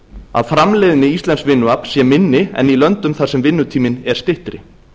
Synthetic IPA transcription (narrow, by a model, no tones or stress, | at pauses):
a̰ðfɾamlɛðɪnːɪist̪lɛnsvɪnːʏapsjɛmɪnːɪɛ̰nilœnt̪ʏmθasɛmvɪnːʏt̪ʰiːmɪnɛɾ̥st̪ɪht̪ɾɪ̰